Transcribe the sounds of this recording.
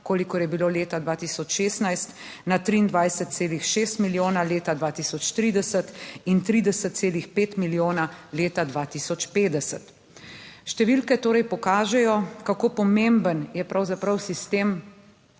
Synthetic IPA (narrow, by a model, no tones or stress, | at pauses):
koːlikɔɾjɛbiloːleːt̪ad̪ʋaːt̪isɔt͡ʃʃeːst̪najst̪ | nat̪ɾiːnd̪ʋajsət̪̚seːlixʃeːst̪miljoːnaleːt̪ad̪ʋaːt̪isɔt͡ʃt̪ɾid̪ɛsət̪int̪ɾiːd̪ɛsət̪t̪seːlixpeːt̪miljoːnaleːt̪ad̪ʋaːt̪isɔt͡ʃpeːd̪ɛsət̪ | ʃt̪ɛʋilkɛt̪oːɾɛjpɔkaːʒɛjɔkakoːpɔmembənjɛpɾawzapɾɐwsist̪em